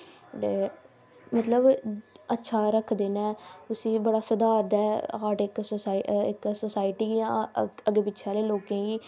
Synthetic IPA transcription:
t̪eː | mət̪ləbətːʃʰaːɾəkʰd̪eːnɛːʊsĩːbəɽaːsəd̪aːɾd̪ɛːaːʈɪksɪksəsaːɪʈiːãːəɡepɪtːʃʰãːleːloːkẽːiː

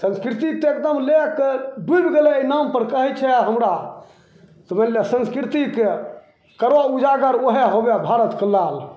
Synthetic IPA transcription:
sə̃nskɾit̪it̪ek̚d̪əmlekeɖubɡelɛinampəɾkəɦɛt͡ʃʰɛɦəmɾa | t̪ɔmenlesə̃nskɾit̪ike | kəɾʋaud͡ʒaɡəɾoɦeɦobebʱaɾət̪kəlːal

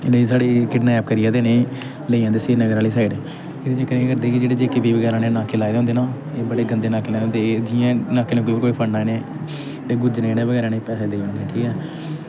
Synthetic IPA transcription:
nẽsaːɽeːkɪɖnaːɛːp̚kəɾɪjãːd̪eːnẽ | ləiːãːd̪eːsiːnəɡəɾaːliːsaːiɖe | kɪt̪ed͡ʒeːkəɾẽːekəɾd̪eːkid͡ʒeːɽeːd͡ʒeːkɪbiːʋəɡɛːɾãːneːnãːkːeːlaːid̪eːõnd̪eːnaː | eːbəɽeːɡənd̪eːnãːkeːnãːnd̪eːd͡ʒɪãːnaːkeːnẽːkoiːbɾkoːiːpʰəɳːaːneː | ɽeːɡʊd͡ʒneːnẽːʋəɡɛːɾãːneːpɛːseːd̪ẽːɡeːʈʰiːkɛː

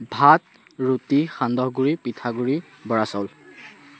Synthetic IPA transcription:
bʱat̚ | ɹutixandɔɦɡuɹipitʰaɡuɹi | bɔɹasɔl

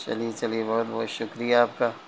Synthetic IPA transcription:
t͡ʃɐ̰liet͡ʃɐliebɔɦʊt̪̚bɔɦːt̪ʃʊkɾijaːp̚ka

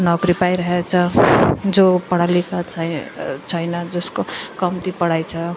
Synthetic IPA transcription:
nɔkɾipaiɾʌɦet͡sʰʌd͡ʒopəɽ̤alikat͡sʰʌjnʌd͡ʒoskokʌmt̪ipəɽ̤ajt͡ʃʰʌ

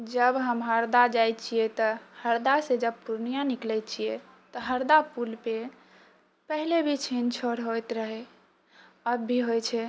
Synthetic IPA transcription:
d͡ʒəbɦəmɦəɾd̪ad͡ʒajt͡ʃʰiet̪əhəɾd̪asẽd͡ʒəb̚puɾnijãniklɛt͡ʃʰije | t̪əɦəɾd̪apulpe | pəɦilebʱit͡ʃʰint͡ʃʰoɾɦojt̪ɾəɦɛ | əbːʱiɦojt͡ʃʰɛ

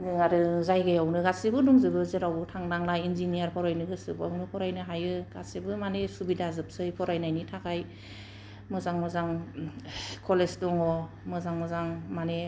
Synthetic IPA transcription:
nɯŋaɾɯzajɡajawnɯɡasibɯduŋzɯbɯzeɾawbɯtʰaŋnaŋlajinzinijaɾpʰɔɾajnɯɡɯsɯbɯawnɯpʰɔɾajnɯɦajɯɡasibɯmanesubidazɯp̚sɯjpʰɔɾajnajnitʰakʰaj | mɯzaŋmɯzaŋ | kʰɔlesdɔŋɔ | mɯzaŋmɯzaŋmane

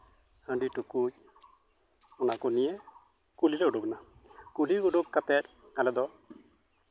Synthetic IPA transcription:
haɳɖiʈukuc̚ | ɔnakɔnije | kuliɾɛuɖukna | kuliuɖukkat̪ɛɾ | alɛd̪ɔ

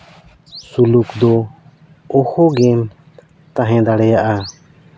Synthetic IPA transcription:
sulukd̪ɔ | ɔhɔɡɛm | t̪ãɦɛ̃d̪aɽɛjaʔa

